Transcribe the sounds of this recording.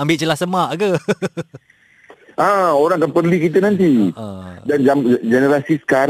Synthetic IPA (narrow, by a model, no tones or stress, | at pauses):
ambɪʔt͡ʃəlasəmaʔɡə | ãoɾaŋkanpərlikit̪̬ənãnt̪̬ĩ | dand͡ʒamd͡ʒɛnəɾasisə̥kaɾ